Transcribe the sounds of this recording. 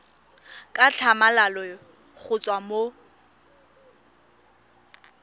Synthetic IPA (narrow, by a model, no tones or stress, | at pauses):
kʼat͡ɬʰamalalɔ | k͡xʰʊt͡sʼwamo